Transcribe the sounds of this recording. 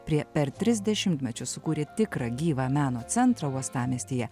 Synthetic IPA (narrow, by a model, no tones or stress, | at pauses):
pʲɾʲiɛpʲɛɾt̪ʲɾʲɪzʲd̪ʲɛʃʲɪmʲt̪ʲmʲɛt͡ʃʲʊsʊkuːɾʲeːt̪ʲɪkɾɑɡʲiːʋɑːmʲæːnoːt̪sʲɛnt̪ɾɐuɔst̪ɑːmʲiːst̪ʲiːjɛ